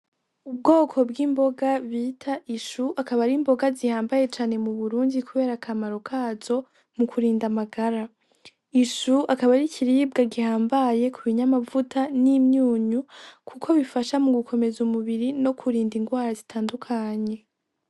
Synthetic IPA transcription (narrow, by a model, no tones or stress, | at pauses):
ub̚ɡo̞ːkʰo̞bɡiːmbo̞ɡaβiːtʰaʔiʃuakaβaɾimbo̞ɡazihaːmbaje̞t͡ʃaːne̞muβuɾuːndikuβe̞ːɾakʰamaɾo̞kʰaːz̥o̞ | mukʰuɾiːndamaɡaɾa | iʃuakaβaɾicʰiɾib̚ɡaɡihaːmbaje̞kʰuβiɲamavutʰaniːmɲuːɲukʰukʰo̞βifaʃamuɡukʰo̞me̞zumuβiɾino̞kʰuɾiːndiŋɡwaːɾazitʰaːndukʰaɲe̞